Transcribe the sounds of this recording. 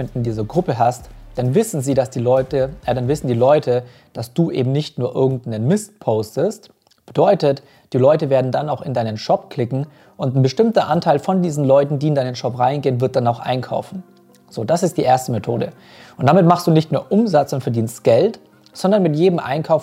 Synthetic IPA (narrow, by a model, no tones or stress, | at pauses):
ɛntɪndiːzɐɡʁʊpəɦastd̥anvɪsn̩ziːdasd̥iːlɔʏtəadanvɪsn̩diːlɔʏtʰə | d̥asd̥uːʔḛːbm̩nɪçtnuːɐʔɪɐɡŋ̩tnənmɪstpʰoʊstəst | b̥ədɔʏtət | d̥iːlɔʏtəveːɐdn̩danaʊxɪndaɪnənʃɔpkl̥ɪkŋ̩ | ʊntn̩bəʃtɪmtɐʔantʰaɪlfɔndiːzn̩lɔʏtn̩diːɪndaɪnənʃɔpʁaɪnɡeːənvɪɐt̚d̥anaʊxʔa̰ɪnkʰa̰ʊfn̩ | z̥oːdasɪstd̥iːʔeːɐstəmetʰo̰ːdə̰ | ʔʊntd̥amɪtmaχstd̥uːnɪçtmeːɐʔʊmzat͡sʊntfɛɐdiːnstɡ̥ɛlt | z̥ɔndɐnmɪtjeːdəm̩ʔa̰ɪnkʰaʊf